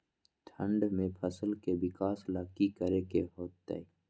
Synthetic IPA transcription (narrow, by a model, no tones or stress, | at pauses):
t̪ʰə̃ɳɖmẽpʰəsəlkebɪkaːslaːkikəɾekeɦoːt̪ːḛi